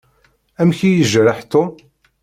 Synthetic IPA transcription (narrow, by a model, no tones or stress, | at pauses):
æmçijəʒɾəħt̪om